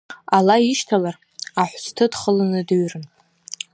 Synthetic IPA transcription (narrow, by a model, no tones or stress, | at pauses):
alaiʃtʰalar | aħʷstʰɨdχəlanɨdɨɥrɨn